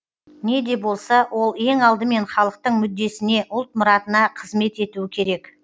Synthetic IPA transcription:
ne̞d̪e̞bo̞lˠsɑwʔo̞lˠe̞ŋɑlˠd̪əme̞nχɑlˠəq̚t̪əɴmʏd̪ːe̞sɪne̞ʔʊlˠt̪̚mʊɾɑt̪ənɑqʰəzme̞t̪e̞t̪uɪkʲʰe̞ɾe̞k

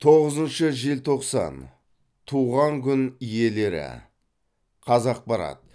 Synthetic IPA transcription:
t̪ʰo̞ʁəzənʃəʒelt̪ʰo̞qsɑ̰n | t̪ʰuʁɑŋkʲʰʏnije̞le̞ɾɪ̰ | qʰɑzɑq̚bɑɾɑ̰t̪

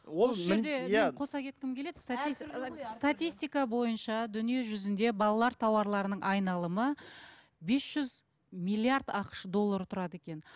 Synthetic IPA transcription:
wolˠʒɾd̪eqʰo̞sɑkʲʰe̞t̪̚kʲɪmkʲʰe̞le̞d̪ɪ̥st̪at̪ist̪at̪ʲijst̪ijkɑbo̞jənʃɑd̪ʏnije̞ʒʏzɪnd̪e̞bɑlˠɑlˠɑɾt̪ʰɑwɑɾlˠɑɾənəɴʔɑjnɑlˠəmə | be̞sʒ̥ʏz | mijlʲˠːiaɾd̪ɑqə̥ʃəd̪o̞lˠːaɾt̪ʰʊɾɑd̪əe̞kʲe̞n

